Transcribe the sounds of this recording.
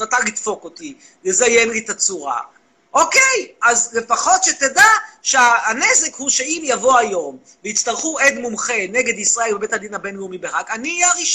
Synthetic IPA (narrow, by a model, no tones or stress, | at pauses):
at̪alit̪fo̞koti | jezaje̞mlit̪at͡suʁa̰ | ʔokejazle̞faχo̞t̪ʃet̪edaʃeaːnezekhuʃeimjavo̞ajo̞m | veit͡st̪aʁχued̪mumχe̞neɡed̪isʁae̞lbebe̞t̪had̪inabenjumibeʁakaniaʁiʃ